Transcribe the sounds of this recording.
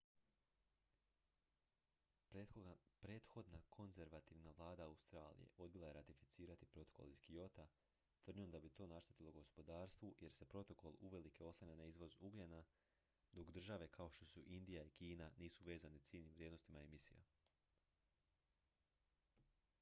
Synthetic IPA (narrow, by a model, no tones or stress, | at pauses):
epɾe̞ːt̪xo̞d̪nakʰo̞nze̞ɾʋat̪iʋnaʋlˠaːd̪aaust̪ɾaːlḭjḛʔo̞d̪bilˠaje̞ɾat̪ifit̪siːɾat̪ipɾo̞t̪o̞ko̞̰lizɡio̞t̪a | t̪ʋɾr̩d̪iomd̪abit̪o̞ːnaʃt̪ət̪ilˠo̞ɡo̞spo̞d̪aːɾst̪ʋuje̞ɾse̞pɾo̞t̪o̞ko̞lˠuʋe̞like̞o̞saɲanaizʋo̞zuɡlʲena | d̪o̞kd̪r̩ʒaʋe̞kʰao̞ʃt̪o̞suʔind̪ijaikiːnaniːsuʋe̞ːzanit̪siːlʲnimʋɾʲjed̪nost̪imaemisḭja̰